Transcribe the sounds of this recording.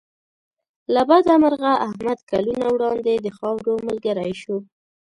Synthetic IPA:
labad̪amaɾɣaʔahmad̪kalunawɽɑnd̪ed̪əxɑwɾoməlɡaɾajʃo

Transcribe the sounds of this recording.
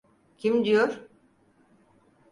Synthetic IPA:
cʰimd̪ijoɾ

